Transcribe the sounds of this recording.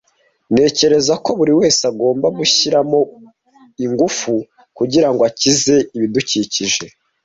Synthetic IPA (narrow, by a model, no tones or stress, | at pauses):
ne̞ːce̞ɾe̞zako̞βuɾiwe̞ːsaɡo̞ːmbaɡuçiɾamo̞ | iŋɡufu | kuɟiɾaŋɡoacize̞iβiduciciʒe̞